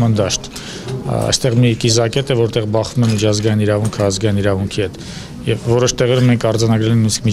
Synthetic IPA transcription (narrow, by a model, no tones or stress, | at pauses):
ɑnd̪ɑʃt̪ | ɑ̰jst̪ɛʁmikizɑkɛt̪ɛvɔɾt̪ɛʁbɑχvumɛnmit͡ʃʰɑzɡɑjiniɾɑvuŋkʰəɑzɡɑjiniɾɑvuŋkʰihɛt̪ | jɛvːɔɾɔʃt̪ɛʁɛɾumɛŋkʰɑɾd͡zɑnɑɡɾɛlɛŋknuiskʰmi